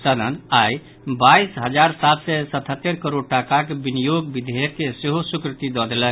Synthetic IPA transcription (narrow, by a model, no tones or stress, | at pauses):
sad̪ʱənaj | baisɦəd͡ʒaɾsat̪sɛsət̪ʰɦət̪ːeɾkəɾoɽ̚ʈakakebinijoɡbid̪ʱekːeseɦosukɾit̪id̪ɔd̪elək